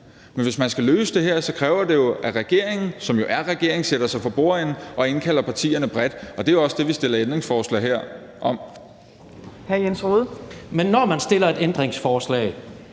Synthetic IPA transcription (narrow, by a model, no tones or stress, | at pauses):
menʋe̝smænsɡ̥æløːsəd̥e̝ɦeɐ̰sɒ̽kʰʁɛːʊɐd̥e̝jo̝ʔæʁɛɡ̥e̝ɐ̰e̝ŋn̩sɒ̽mjo̝ʔæɐʁɛɡ̥e̝ɐ̰e̝ŋseɾ̥ɐsɑ̈ɪfʰɒ̽b̥o̝ɐ̰enʔɒ̽e̝nkʰæl̰ɐpʰɑ̈t͡sʰḭːɐnəb̥ʁɛd̥ɒ̽d̥e̝joɒ̽səd̥e̝ʋisd̥e̝lɐend̥ʁeŋsfɒːslɛ̰ːɦeɐ̰ | ʔɒ̽m̰ | hæɐjensʁoːðˠmenːɒmænsd̥e̝lɐe̝d̥end̥ʁeŋsfɒːslɛ̰ɪ